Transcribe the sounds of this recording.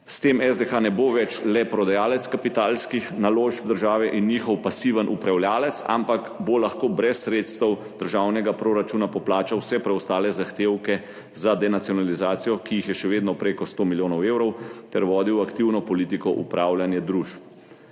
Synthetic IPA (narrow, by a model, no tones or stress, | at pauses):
st̪eːmɛzd̪exanɛboʋɛt͡ʃlɛpɾɔd̪ajaːlɛt̪skapit̪aːlskixnaloːʃd̪əɾʒaːʋɛʔinːiːxɔwpasiːʋənʔupɾawljaːlɛt̪sa̰mpakbolaxkoːbɾɛsːɾeːt̪st̪əwd̪̥əɾʒaːwnɛɡapɾoɾat͡ʃuːnapɔplaːt͡ʃawsɛpɾɛɔst̪aːlɛzaxt̪eːwkɛ | zad̪ɛnat̪sijɔnalizaːt̪sijɔkijixjɛʃɛʋeːd̪nɔpɾeːkɔst̪omiljoːnɔweːwɾɔwt̪ɛɾʋɔːd̪iwakt̪iwnɔpɔliːt̪ikɔʔṵpɾaːwlʲjanjɛd̪ɾuʃp